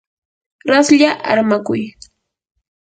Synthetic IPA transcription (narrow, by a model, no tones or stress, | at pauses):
ɾasʎaʔa̰ɾmakʊj